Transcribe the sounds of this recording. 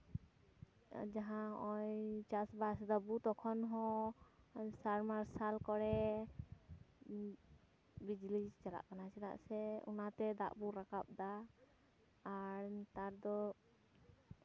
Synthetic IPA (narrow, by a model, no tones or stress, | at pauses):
d͡ʒaɦãɔjt͡ʃasbasd̪əbut̪ɔkʰɔnɦɔ̃ | saɾmaɾsalkɔɽɛ | bid͡ʒlid͡ʒt͡ʃala̰ʔkanasɛda̰ʔsɛṵnat̪ɛd̪a̰ʔbuɾakap̚d̪a | ɾt̪aɾd̪ɔ